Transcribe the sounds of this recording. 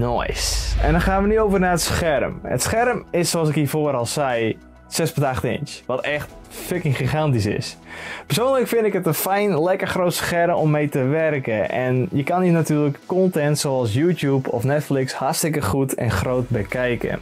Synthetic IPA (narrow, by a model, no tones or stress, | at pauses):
nɔ̰jsɛ̰ndɔnχaːnʋənyowvərnaːətsxɛrmə̰tsχɛrmɪsːoɑs̬ɪkiːfoːɾɑlˠsɛj | sɛspɔtaχtɪ̰ntʋɔtɛxt | fɪkɪŋχixantisɪ̰spərsoːnləkfɪndɪkətənfɛjnlɛkərxroːtsxɛrmɔmːejtəʋɛrkəʔɛ̰njəkaninatyːrləkːɔntɛntsowɑlˠs̬juːtjupʰɔfnɛtflɪkshastɪkəχutʰɛ̰nxrowt̚bəkɛjkə̰